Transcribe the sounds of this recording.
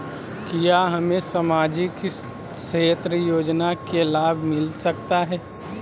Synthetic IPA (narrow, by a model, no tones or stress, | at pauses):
kijaɦɐmẽsəmaːd͡ʒik | seːt̪ɾəjoːd͡ʒnakelaːbʱmɪlsɐk̚t̪aɦɛː